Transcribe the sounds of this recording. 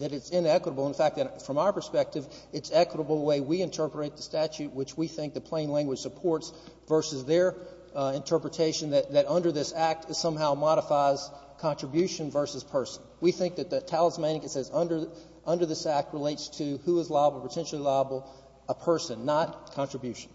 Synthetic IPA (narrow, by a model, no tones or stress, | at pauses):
ðɨɾɨtsɪ̃nɛkwəɾəbl̩ˠə̃nfæk̚ðɨɾfɹʌ̃maʊə˞pʰə˞spɛk̚tɨv | ɨtsɛkwəɾəbl̩ˠəweɪwiɨ̃ntʰɜ˞pə˞eɪt̪̚ðɨstæt͡ʃʉt̚wɨt͡ʃwiθɪ̃ŋk̚ðɨt̚pʰl̥ẽɪ̃nlæ̃ŋɡwdʒ̥sɨpʰɔɹtsvɜ˞sɨzðə˞ | ɨ̃ntʰɜ˞pɹɨtʰeɪʃɨ̃nðɨt̪̚ðɨɾʌ̃ndə˞ðɪsæk̚tʰɨ̥sʌ̃mɦaʊmɑɾəfaɪz̥ | kʰɑ̃ntɹ̥əbjʉʃɨ̃nvɜ˞sɨz̥pʰɜ˞sn̩wiθɪ̃ŋk̚ðɨt̪̚ðɨtʰælˠəzmæ̃nkɨsɨzʌ̃ndə˞ | ʔʌ̃ndə˞ðɪsæk̚t̚ɹəleɪtstʰɨhuəzlɑɪəbl̩ˠpʰətʰɛ̃nʃl̩ˠilɑɪəbl̩ˠ | əpʰɜ˞sɨ̃nːət̚kʰɑ̃nt͡ʃɹ̥ɨbjʉʃn̩